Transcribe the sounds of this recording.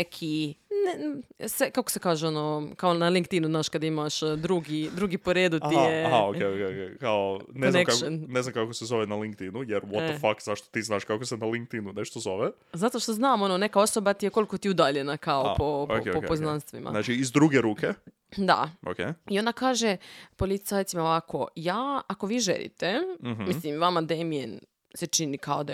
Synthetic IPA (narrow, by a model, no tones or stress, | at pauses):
ekʰinsekakosekaːʒeo̞nokaonaliŋkt̪inuznaːʃkad̪imaʃd̪ɾuɡid̪ɾuɡipoɾeːd̪ut̪ijeaɦaokeokeokekaoneoznaemkaknne̞znamkakosezoʋenaliŋk̚t̪inujeɾʋot̪ofakzaʃt̪ot̪iːznaːʃkakosenaliŋk̚t̪inuneʃt̪ozo̞ʋe | zat̪o̞ʃt̪oznaːmo̞none̞kao̞so̞bat̪ijeko̞liko̞t̪iud̪aʎe̞nakaopooepoepoznnanst̪ḭma̰nat͡ʃiizd̪ɾuɡeɾuːkʰe | d̪a̰o̰kḛio̞nd̪akaːʒe̞po̞lit̪sajt̪imaoʋako̞jaːako̞ʋiːʒḛlˠḭt̪emɦmisslimʋamad̪emien | set͡ʃinikao̞d̪a